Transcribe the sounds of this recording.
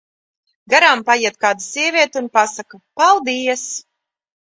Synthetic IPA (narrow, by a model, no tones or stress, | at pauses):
ɡaɾaːmpajiɛt̪̚kaːd̪usʲiɛvʲiɛt̪iunpasakapalˠd̪iɛs